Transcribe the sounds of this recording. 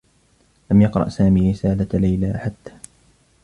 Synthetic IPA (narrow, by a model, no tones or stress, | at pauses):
lamjɑqɾˤɑ̰ʔsaːmiːɾɪsaːlalajlaːħat̪ːḁː